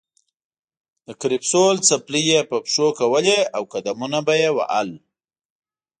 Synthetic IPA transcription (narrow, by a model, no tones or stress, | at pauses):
d̪əkɾɪpsolt͡saplijepəpʃokawəleawkad̪amunabajewa̰ʔa̰l